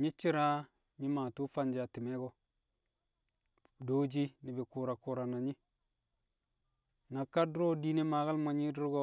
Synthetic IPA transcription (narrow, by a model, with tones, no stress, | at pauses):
ɲi˦t͡ʃːi˦ɾa˦ | ɲi˦maː˨tu˦fa˦nd͡ʒa˨ti˨me˦ɡo˦ | do˦d͡ʒi˦ni˨be˨ku˨ɾa˨ku˨ɾa˨na˨ɲi˦ | na˨kːa˦du˦ɾo˦di˦ne˦ma˨ɣa˦lmo˨ɲi˦du˦ɾɡo˦